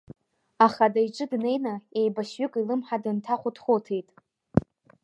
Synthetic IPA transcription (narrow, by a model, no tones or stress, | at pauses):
aχadajʈ͡ʂʼɨdne̞jnae̞jbaɕɥʏkʼilɨmħadɨntʰaχʷʊtʰχotʰe̞jtʼ